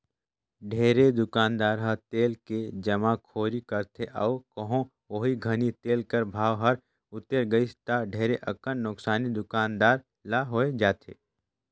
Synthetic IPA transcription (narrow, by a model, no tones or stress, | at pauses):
ɖʱeːɾed̪ʊkaːnd̪aːɾɦɐɾt̪eːlked͡ʒɐmakʰoːɾikɐɾt̪ʰeʔɐːkɐɦõ | oɦiɡʱɐnit̪eːlkəɾbʱaːʋɦɐɾ | ʊt̪ːeɾɡəist̪aɖʱeːɾeʔɐkənːʊksaːnid̪ʊkaːnd̪aːɾ | laɦoed͡ʒaːt̪ʰḛː